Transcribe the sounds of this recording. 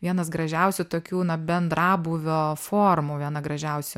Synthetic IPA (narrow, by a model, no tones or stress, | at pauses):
ʋʲiɛnɐsɡɾɐʒʲɛʊsʲʊt̪oːkʲuːnɐbʲɛnd̪ɾɑːbuːʋʲoːfoːrmuːʋʲiɛnɐɡɾɐʒʲɛʊsʲʊ